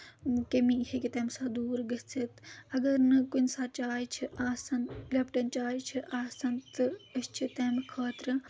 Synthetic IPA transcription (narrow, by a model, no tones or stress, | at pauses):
kɐmihekʲit̪ɐmsaːd̪uːɾɡɐt͡sʰɐt̪ɐɡɐɾnɨkunʲsaːt͡ʃaːjt͡ʃʰiʔaːsɐnlɐpʈɐnt͡ʃaːjt͡ʃʰiʔaːsɐnt̪ɨɐst͡ʃʰit̪eːmkʰaːt̪ɾɨ